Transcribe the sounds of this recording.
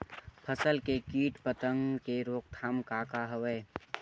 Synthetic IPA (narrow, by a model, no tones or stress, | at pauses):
pʰəsəlkekiːʈpət̪ə̃ŋɡkeɾoːk̚t̪ʰaːmkaːkaɦəʋeː